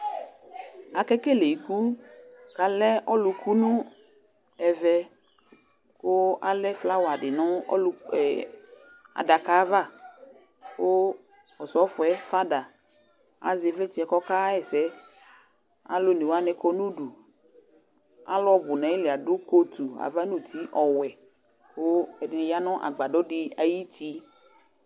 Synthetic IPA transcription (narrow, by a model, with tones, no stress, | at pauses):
a˨kɛ˦kɛ˦le˨i˨ku˦ka˨lɛ˦ʔɔ˦lʊ˨kʰu˦nũ˦ | ɛ˨vɛ˨ | ko˦a˨lɛ˦fla˦wa˨dɪ˨nɔ̃˦˨ | a̰˨da˨kaː˨˦va˦˨ | wo˦ | ɔ˨sɔ˦fʊ˨ɛ˦fa˦da˨ | a̰˨ze˨˦fɛ˦t͡ʃi˦ɛ˨kɔ˦ka˦ɛ˨sɛ˨˦ | a̰˦lo˦nẽ˨wa˦nɛ˨kɔ˦nũ˦ɖu˨ | a̰˦lɔ˦bʊ˨nã˨˦jlɪ˨a˨ɖʊ˦ko˦t̪u˨a̰˨va˦nũ˦t̪ʰi˦ʔɔ˨wɛ˨ | wo˦ɛ˨dja˦nɔ̃˦ʔa̰˨ɡ͡ba˨ɖɔ˦ɖɪ˨a˨ji˦t̪ʰi˦